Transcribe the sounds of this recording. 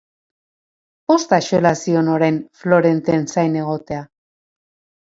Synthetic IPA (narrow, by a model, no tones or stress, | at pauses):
o̞st̪aʃoelasio̞noɾe̞nflo̞ɾe̞nt̪ensajne̞ɣo̞t̪e̞a